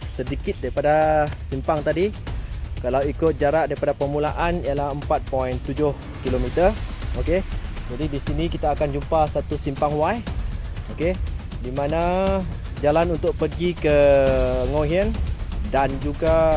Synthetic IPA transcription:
sədikɪt̪̚daɾipadasimpaŋt̪adi | kalawikʊt̪̚d͡ʒaɾaʔ̚daɾipadapərmulaʔanialahəmpat̪̚pɔint̪ud͡ʒʊh | kilomit̪əroked͡ʒadidisinikit̪aːkand͡ʒumpasat̪usimpaŋwajoke | dimana | d͡ʒalanunt̪ʊk̚pərɡikə | ŋoɦiəndand͡ʒuɡa

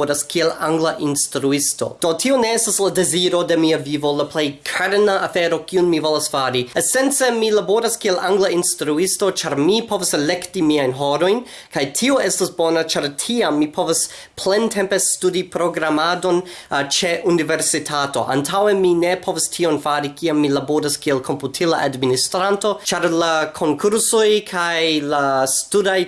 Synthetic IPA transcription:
ɾaskʰielaŋɡlaʔinstɾuisto̞̰d̥o̞tʰioneestasladeziɾo̞de̞miavivolaplejkʰaɾnaafeɾo̞kiunmivolasfaɾiesent͡semilaboɾaskielaŋɡlainstɾuisto̞t͡ʃaɾmipʰovaselektimiajnɦoɾo̞jn | kajtʰioestasbonat͡ʃaɾtʰiamːipʰo̞vas | pʰlentʰempe̞studipɾo̞ɡɾamado̞nt͡ʃe̞ʔuniveɾsitʰato̞̰ʔa̰ntʰaweminepʰo̞vastʰionfaɾikʰiamːilaboɾaskielkʰomputʰilaʔadministɾanto̞t͡ʃaɾlakʰo̞ŋkʰuɾsojkʰajlastudaj

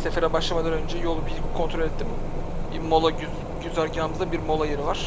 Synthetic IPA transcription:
sefeɾɛbaʃlˠamad̪anønd͡ʒɛjo̞lˠubikʰo̞nt̪ʰɾo̞lʲɛt̪ːim | bimo̞lˠay | ɟyzæɾɟaːmɯzˠabiɾmo̞lˠajeɾivaɾ̥

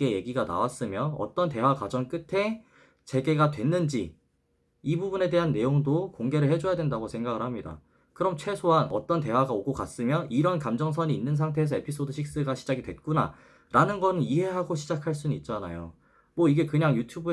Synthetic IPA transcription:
e̞je̞ɡiɡana̰was͈ɯmjʌʌ̰t͈ʌnte̞wakwad͡ʑʌŋk͈ɯtʰe̞ | t͡ɕe̞ɡe̞ɡadwe̞nːɯnd͡ʑi | ibubune̞de̞ɦanːe̞joŋdokoŋɡe̞ɾɯɭɦed͡ʑojadwe̞ndaɡosʰe̞ŋɡaɡɯɭhamɲida̰ | kɯɾʌmt͡ɕʰwe̞sʰoɦanʌ̰t͈ʌnt̬e̞waɡaoɡokas͈ɯmjʌʔiɾʌnkamd͡ʑʌŋs̬ʰʌɲiːnːɯns̬ʰaŋtʰe̞ːsʰʌe̞pʰis͈ʰodɯɕʰik̚s͈ɯɡaɕʰid͡ʑaɡidwe̞t̚k͈una̰ | ɾʔanɯnɡʌnɯniɦe̞ɦaɡoɕʰid͡ʑakʰaɭs͈unɯnit̚t͡ɕ͈ana̰jo̰ | mwʌiɡe̞kɯɲaŋjutʰjubɯ

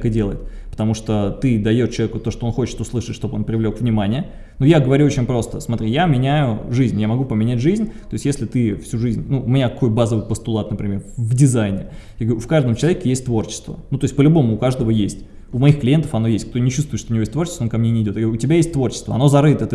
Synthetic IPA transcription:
kɨdʲelˠəjɪt̪ | pə̥t̪ɐmuʂt̪ot̪ɨd̪ɐjo̞t̪t͡ɕɪlˠɐvʲekʊt̪o̞ʂt̪oo̞nxo̞t͡ɕɪ̥t̪ʊslˠɨʂɨt̪ʂt̪o̞bəo̞npɾʲɪvlʲo̞kvnʲɪmanʲɪjə | nujaɡəvɐɾʲuot͡ɕɪnʲpɾo̞st̪əsmɐt̪ɾʲijamʲɪnʲæjʊʐɨzʲnʲjamɐɡupəmʲɪnʲætʲʐɨzʲnʲt̪o̞ɪsʲtʲjesʲlʲɪt̪ɨfsʲuʐɨzʲnʲnuʊmʲɪnʲakɐko̞jbazəvɨjpəst̪ʊlˠat̪nəpɾʲɪmʲe̞rvdʲɪzajnʲɪjaɡəvɾʲufkaʐd̪əmt͡ɕɪlˠɐvʲekʲɪjesʲtʲt̪vo̞rt͡ɕɪ̥st̪və̰nut̪o̞ɪsʲtʲpəlʲʊbo̞mʊːkaʐd̪əvəjesʲtʲ | ʊmɐixklʲɪjent̪əfɐno̞jesʲtʲkt̪onʲɪt͡ɕust̪vʊɨt̪ʂt̪oʊnʲɪvojet̪vort͡ɕɪsvonkɐmnʲenʲɪdʲot̪jɡɾuʊtʲɪbʲajesʲtʲt̪vo̞rt͡ɕɪ̥st̪və̰ɐno̞zɐɾɨt̪ət̪

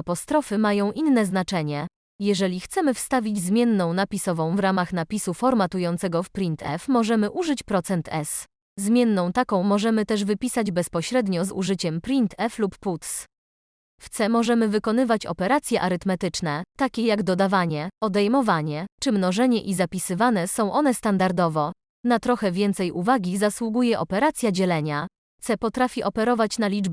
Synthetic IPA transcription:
apɔst̪ɾɔfɘmajɔ̃w̃ʔinːɛznat͡ʂɛɲɛ | jɛʐɛlʲixt̪sɛmɘfst̪avʲid͡ʑzmʲjɛnːɔ̃w̃napʲisɔvɔ̃w̃vɾamaxnapʲisufɔɾmat̪ujɔnt̪sɛɡɔfpɾʲint̪ʰɛfmɔʐɛmɘʔuʐɘt͡ɕpɾɔt̪sɛnt̪ʰɛs | zmʲjɛnːɔ̃w̃t̪akɔ̃w̃mɔʐɛmɘt̪ɛʐvɘpʲisad͡ʑbɛspɔɕɾɛd̪ɲɔzṵʐɘt͡ɕɛmpɾʲint̪ʰɛflupːut̪s | ft̪sɛmɔʐɛmɘvɘkɔn̪ɘvat͡ɕɔ̰pɛɾat̪sʲjɛʔaɾɘt̪mɛt̪ɘt͡ʂnɛt̪akʲɛjaɡd̪ɔd̪avaɲɛɔd̪ɛjmɔvaɲɛt͡ʂɘmnɔʐɛɲɛʔizapʲisɘvanɛsɔ̃w̃ʔɔnɛst̪and̪aɾd̪ɔvɔ | nat̪ɾɔxɛvʲjɛnt̪sɛjʔuvaɡʲizaswuɡujɛʔɔpɛɾat̪sʲjad͡ʑɛlɛɲa | t̪sɛpɔt̪ɾafʲiʔɔpɛɾɔvat͡ɕnalʲid͡ʐb

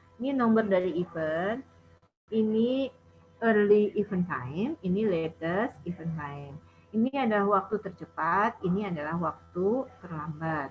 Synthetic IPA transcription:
ininombərdaɾiːfən | ini | ərliːfənta̰jminilet̪əsifənfajm | iniadalahwak̚t̪ut̪ərt͡ʃəpat̪iniadalahwak̚t̪ut̪ərlambat̪̚

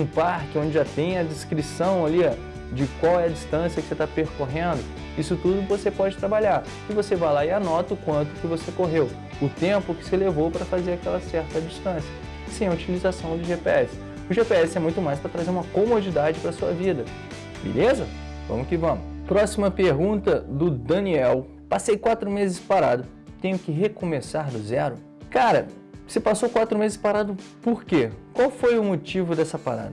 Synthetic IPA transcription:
ũpaɾkɪõd͡ʒɪʒat̪ẽj̃ɐd͡ʒɪskɾisɐ̃w̃alia | d͡ʒɪkwawɛɐd͡ʒist̪ɐ̃siɐkɪ̥set̪apeɾkoɦẽnd̪ʊ | isʊt̪ud̪ʊvosepɔd͡ʒɪt̪ɾabaʎaɾ | ɪvosevajlaɪanɔt̪ɐʊkwɐ̃nt̪ʊkɪvosekoɦew | ʊt̪ẽpʊkɪ̥sɪlevowpɾɐfazeɾakɛlɐsɛɾt̪ɐd͡ʒist̪ɐ̃sjɐ | sĩɐut͡ʃilizasɐ̃w̃d̪ʊʒepeɛsɪ̥ | ʊʒepeɛsɪɛmũj̃t̪ʊmajspɾɐt̪ɾazeɾũmɐkomod͡ʒid̪ad͡ʒɪpɾɐsuɐ̰vid̪ɐ | bḛlezɐ | vɐ̰̃mʊkɪvɐ̃mʊpɾɔsimɐpeɾɡũnt̪ɐd̪ʊd̪ɐ̃niɛw | pasejkwat̪ɾʊmezɪspaɾad̪ʊ | t̪ẽɲ̃ʊkɪɦekomesaɾd̪ʊzɛɾʊ | kaɾɐ̰ | sɪpasowkwat̪ɾʊmezɪspaɾad̪ʊpoɾkekwawfojʊmot͡ʃivʊd̪ɛsɐpa̰ɾa̰d̪

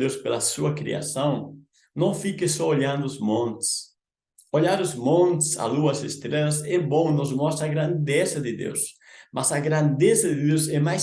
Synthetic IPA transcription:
d̪ewspelɐsuɐkɾḭa̰sɐ̃w̃ | nɐ̃w̃fikɪsɔoʎãnd̪ʊʊzmõnt̪ɪ̥s | oʎaɾʊzmõnt̪ɪ̥sa̰luɐsest̪ɾelɐsɛbõw̃nʊzmɔst̪ɾɐaɡɾɐ̃nd̪ezɐd̪ɪd̪ḛws | mʔasɐɡɾãnd̪ezɐd̪ɪd̪ewsɛmaj

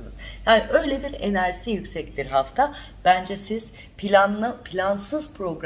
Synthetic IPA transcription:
nɯzjaːniʔø̞jlʲebiɾenæɾsijycsɛcbiɾɦaft̪ʰa | b̥ænd͡ʒɛsiz̥ | pʰilʲanɯpʰilʲansɯz̥pʰɾo̞ɡɾ

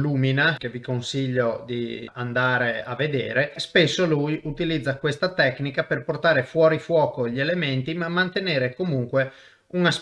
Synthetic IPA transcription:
luːminakevikonsiʎːod̪iand̪aːɾeavːed̪ḛːɾespesːolujut̪ilid̪zːakwest̪at̪ɛknikaperport̪aːɾefwɔːɾifwɔːkoʎelement̪imamːant̪eneːɾekomuŋkwe | unas

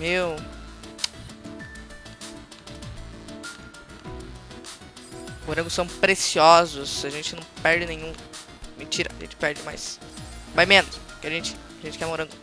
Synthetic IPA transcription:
mew | oɾɐ̃ŋɡʊsɐ̃w̃pɾesiɔzʊsaʒẽnt͡ʃɪnɐ̃w̃pɛɾd͡ʒɪnẽɲ̃ũ | mẽt͡ʃiɾɐ̰aʒḛ̃nt͡ʃɪ̥pɛɾd͡ʒɪma̰jsvajmẽnʊskɪaʒẽt͡ʃɪ̥aʒẽnt͡ʃɪ̥kɛmmoɾɐ̃ɡʊ

